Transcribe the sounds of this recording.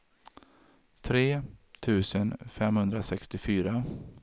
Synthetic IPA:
t̪ʰɾeːt̪ʰʉ̟ːsənfɛmhɵnd̪ɾasɛkst̪ɪfyːɾa

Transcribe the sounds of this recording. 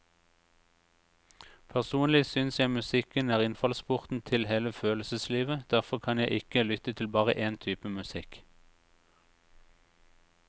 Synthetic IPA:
pʰæʁsuːnlɪsʏnsjæɪmʉsɪkənæːʁɪnfɑlspʊʁt̪n̩t̪ʰɪlheːləføːləsəsliːʋəd̪̥æʁfɔʁkʰɑnjæɪʔɪkəlʏt̪ət̪ʰɪlbɑːʁə̰ʔeːnt̪ʰyːpəmʉsɪk

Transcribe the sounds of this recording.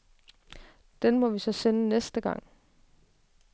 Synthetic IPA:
d̥enmɒ̽ʋisɒ̽senənesd̥əɡ̥ɑ̈ŋ̰

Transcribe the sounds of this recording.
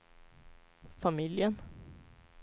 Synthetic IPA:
familjən

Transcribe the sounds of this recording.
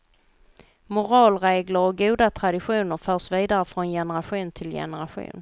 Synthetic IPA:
mʊɾɑːlɾeːɡləɾɔɡuːd̪at̪ʰɾad̪ɪɧuːnəɾfœːʂviːd̪aɾəfɾɔnjɛnəɾaɧuːnt̪ʰɪljɛ̰nəɾaɧṵːn

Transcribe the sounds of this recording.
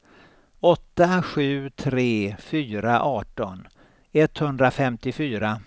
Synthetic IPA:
ɔt̪ːaɧʉ̟ːt̪ʰɾeːfyːɾaʔɑːʈɔn | ɛt̪ːhɵnd̪ɾafɛmt̪ɪfyːɾa

